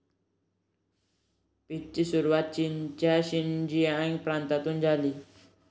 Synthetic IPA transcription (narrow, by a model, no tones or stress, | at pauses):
pit͡ʃːisuɾwat̪̚t͡ʃint͡ʃaʃind͡ʒiaiŋpɾant̪at̪und͡ʒali